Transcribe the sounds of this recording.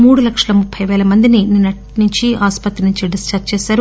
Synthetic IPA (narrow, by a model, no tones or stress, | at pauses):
muːɽulɐkʂɐlɐmupʰːɐjʋɛːlɐmɐnd̪inininːɐʈnuɲt͡ʃiʔaːspɐt̪ːɾinuɲt͡ʃiɖɐst͡ʃɐtt͡ʃɛːsaːɾu